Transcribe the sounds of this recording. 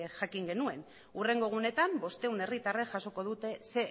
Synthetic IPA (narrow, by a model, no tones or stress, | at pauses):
ʝakiŋɡe̞nue̞n | ure̞ŋɡo̞ɣ̞une̞t̪ambo̞st̪e̞une̞rit̪areʝaso̞ko̞ð̞ut̪e̞se̞